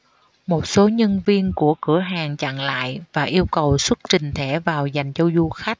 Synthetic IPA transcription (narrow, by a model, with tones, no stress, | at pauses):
mo˨˩t̚so˨˦ɲə˧nvi˧ənku˧˩əkɨ˧˩əɦaː˨˩ŋt͡ɕa̰˧˨ŋla̰ː˧˨jvaː˨˩ʔi˧əwkə˨˩wswə˦˥t̚t͡ɕï˨˩ŋ̟t̪ʰe˧˩vaː˨˩wza˨˩jŋ̟t͡ɕə˧wzu˧xa˦˥k̚